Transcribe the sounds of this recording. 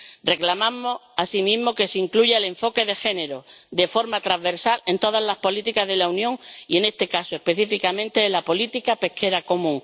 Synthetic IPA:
re̞klamãmo̞asimĩzmo̞ke̞seiŋkluʝaele̞ɱfo̞ke̞ðe̞xe̞ne̞ɾo̞d̪e̞fo̞ɾmat̪ɾaββe̞ɾsale̞nt̪o̞ð̞azlahpo̞lit̪ikazð̞e̞launjõ̞ŋie̞ne̞st̪e̞kasoe̞hpe̞θifikamẽnt̪e̞lapo̞lit̪ikape̞hkʰe̞ɾako̞mũŋ

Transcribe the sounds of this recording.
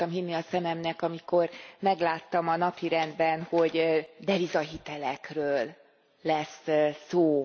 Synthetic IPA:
ɒmɦinːiɒsɛmɛmnɛkɒmiko̞rmɛɡlaːt̪ːɒmɒnɒpiɾɛnd̪bɛnho̞ɟd̪ɛvizɒɦit̪ɛlɛkrøːlː | ɛssoː

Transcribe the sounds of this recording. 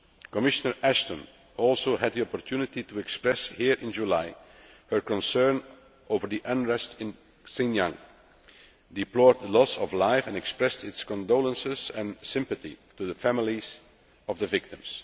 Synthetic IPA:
kɔmɪʃənəɹʔæʃtə̃n | ɔlˠsoʊhæd̪̚ðiɔpɔɹtʰjunɪtituɛkspɹɛshiːɹʔɪ̃nd͡ʒulaɪ | hə˞kɔ̃nsɜ˞n | ʔoʊvəɹðiʔə̃nɹɛstɪ̃n | sɪ̃njãŋ | dɪplɔːɹd̪̚ðəlɔsɔvlaɪfɛ̃nɛkspɹɛstɪtskɔ̃ndoʊlə̃nsɪzɛ̃nsɪ̃mpəθḭtuðəfæmɪlˠiz̥ | ɔvðəvɪk̚tɪ̃ms

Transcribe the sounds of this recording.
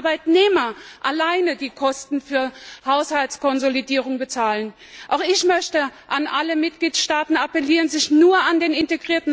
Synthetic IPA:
baɪtneːmɐʔalaɪnədiːkʰɔstn̩fyːɐhaʊshaltskɔnzolidiːʁ̞ʊŋbət͡saːlən | ʔaʊxɪçmœçtəʔanʔaləmɪt̚ɡ̥liːtʃtaːtn̩apəliːʁənzɪçnuːɐandeːnɪnteɡʁiːɐtn̩

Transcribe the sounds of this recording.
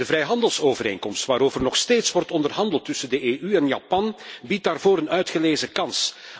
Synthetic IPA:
dəvɾɛjɦɑndəlˠsoːvəɾḛːnkɔmstʋaːɾoːvərnɔxsteːtsʋɔrtɔndərɦɑndəlˠtːʏsəndəʔeːʔyɛnja̰ːpɑnbit̚daːrvoːɾənœɥtχəleːzəkɑns

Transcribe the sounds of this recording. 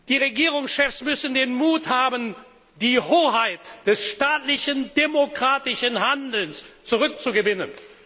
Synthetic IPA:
d̥iːʁeɡiːʁ̞ʊŋsʃɛfsmʏsn̩deːnmuːthaːbən | d̥iːhoːɦaɪtd̥ɛsʃtaːtlɪçəndemokʁ̥aːtɪʃənɦandl̩nst͡suʁʏk̚t͡suɡəvɪnən

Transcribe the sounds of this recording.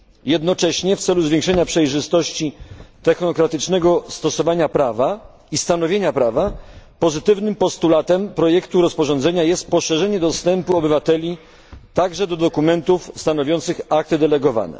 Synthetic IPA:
jɛd̪nɔt͡ʂɛɕɲɛft̪sɛluzvʲjẽŋkʂɛɲapʂɛjʐɘst̪ɔɕt͡ɕit̪ɛxnɔkɾat̪ɘt͡ʂnɛɡɔst̪ɔsɔvaɲapɾava | ist̪anɔvʲjeɲapɾavapɔzɘt̪ɘvnɘmpɔst̪ulat̪ɛmpɾɔjɛkt̪uɾɔspɔʐɔnd̪zɛɲajɛst̪̚pɔʂɛʐɛɲɛd̪ɔst̪ɛmpuɔbɘvat̪ɛlʲi | t̪aɡʐɛd̪ɔd̪ɔkumɛnt̪ufst̪anɔvʲjɔnt̪sɘxak̚t̪ɘd̪ɛlɛɡɔva̰nɛ̰

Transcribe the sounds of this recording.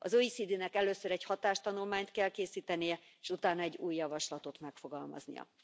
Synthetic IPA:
ɒzoisid̪inɛkɛløːsøɾɛchɒt̪aːʃt̪ɒnulmaːɲt̪kɛlkeːsiːt̪ɛnijɛ | eʃut̪aːnːɒɛɟːuːjːɒvɒʃlɒt̪o̞t̪mɛkfo̞ɡɒlmɒ̰znḭjɒ̰

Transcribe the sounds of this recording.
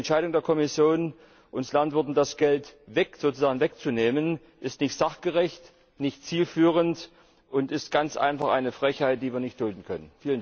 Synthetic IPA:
ɛntʃaɪɾʊŋdeːɐkʰɔmɪsjoːn | ʔʊnslantv̥ɪɐtn̩dasɡ̥ɛltvɛkz̥oːt͡suzaːɡŋ̩vɛk̚t͡suneːmən | ʔɪstnɪçtz̥aχɡ̥əʁɛçt | nɪçtt͡siːlfyːʁ̞ənt | ʔʊntɪstɡ̥ant͡sʔa̰ɪnfaχʔa̰ɪnəfʁ̥ɛçhaɪtd̥iːviːɐnɪçt̚d̥ʊldn̩kʰœnənfiːlən

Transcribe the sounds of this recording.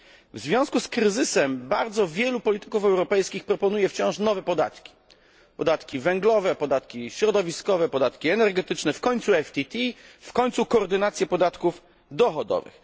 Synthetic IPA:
vzvʲjɔ̃w̃skuskɾɘzɘsɛmbaɾd̪zɔvʲjɛlupɔlʲit̪ɘ̥kufɛwɾɔpɛjskʲixpɾɔpɔnujɛft͡ɕɔ̃w̃ʂnɔvɛpɔd̪a̰t̪kʲi̥ | pɔd̪at̪kʲivɛŋɡlɔvɛpɔd̪at̪kʲiɕɾɔd̪ɔvʲiskɔvɛpɔd̪at̪kʲiɛnɛɾɡɛt̪ɘt͡ʂnɛfkɔɲʲt̪suɛft̪ʲit̪ʲifkɔɲʲt̪sukɔːɾd̪ɘnat̪sʲjɛpɔd̪at̪kuf | d̪ɔxɔd̪ɔ̰vɘ̰x

